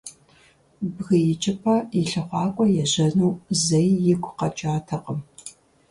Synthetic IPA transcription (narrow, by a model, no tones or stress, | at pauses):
bɣɨjɪt͡ʃʼɪpʰɐjɪɬɨχʷɑːkʷʼɔjɛʑɐnuːzɐjːɪɡʷʰʼqɐt͡ʃʼaːtʰɐqəm